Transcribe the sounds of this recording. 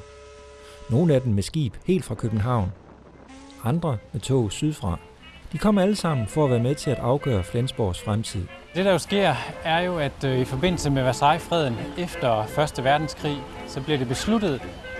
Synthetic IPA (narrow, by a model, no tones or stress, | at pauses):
no̝ːn̩æd̥emmesɡ̥ḭːb̥he̝̰ːld̥fʁɑ̈kʰøb̥n̩ɦɑ̈ʊ̰n | ɑ̈nd̥ʁɐmet͡sʰo̰ːsyð̞ˠfʁɑ̰̈ː | d̥ikʰɒ̽m̰ɐæləsɑ̈m̰n̩fɒ̽æʋæːɐmeðˠt͡sʰe̝læd̥ɑ̈ʊɡ̥œ̰ːɐflensb̥ɒ̰ːsfʁamt͡sʰið̞̰ˠ | d̥e̝ɾ̥ɑ̈jo̝sɡ̥e̝ɐ̰æɐjo̝æd̥ifɒ̽be̝n̰l̩səmeʋæsɑ̈ɪfʁɛð̞̰ˠn̩efd̥ɐfɶɐsd̥əʋæɐd̥n̩skʰʁḭːsɒ̽b̥liɐɾe̝b̥e̝slud̥ð̞̩ˠ